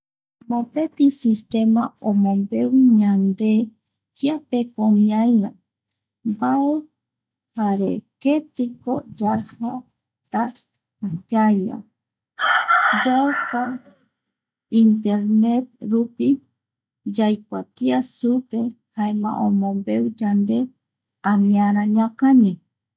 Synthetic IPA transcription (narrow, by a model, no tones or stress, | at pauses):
mõpet̪isist̪emãõmõmbeuɲãnd̪e | kiapekomĩaina | mbae | haɾḛket̪ikod͡ʒaha | t̪aː | kaja̰ | d͡ʒawka | int̪eɾnet̪̚ɾupi | d͡ʒajk̚ʷat̪iasupe | haemã̰ʔõmõmbe̞ud͡ʒand̪e̞ | ãmĩãɾ̃ãɲãkaɲi